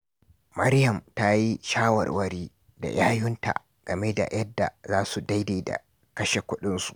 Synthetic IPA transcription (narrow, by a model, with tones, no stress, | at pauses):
mɐ˦ɾjɐ˨mta˦ji˦ʃaː˦wɐ̰˨rwɐ˦ɽiː˦ | da̰˨jaː˦jʊ˦nta̰˨ | ɡ̥ɐ˨me˦da̰˨jʔɐ˦dːa̰˨zaː˦su˨da˦jdeː˨da̰˨ | kɐ˦ʃe˨kʷʊ˦ɗɪ˦nsu̥˨ʔ